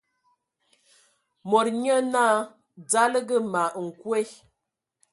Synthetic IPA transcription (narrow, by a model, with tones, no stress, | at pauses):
mɔ˨ɾɲə˦na˦˨ | d͡za˦lə˦ɡə˦ma˨ŋ̩˨kwe˦